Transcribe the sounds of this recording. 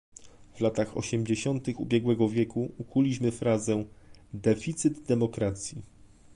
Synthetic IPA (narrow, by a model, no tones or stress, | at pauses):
v̥lat̪axɔ̰ɕɛmd͡ʑeɕɔnt̪ɘxubʲjɛɡwɛɡɔvʲjɛkuukʰulʲiɕmɘfɾazɛ̃d̪ɛfʲit̪sɘd̪d̪ɛmɔkɾat̪sʲji